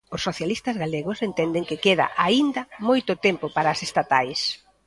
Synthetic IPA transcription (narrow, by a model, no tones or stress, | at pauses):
ʊsːoθjalist̪ɐzɣaleɣʊsent̪ɛnd̪ɪŋkɪkeða̰ʔaind̪ɐmojt̪ʊt̪empʊpaɾasest̪at̪ajs